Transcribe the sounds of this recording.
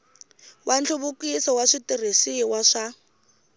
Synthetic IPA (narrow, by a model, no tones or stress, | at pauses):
wʔant͡ɬʰuβʊkisɔwaʂitirisiwaʂa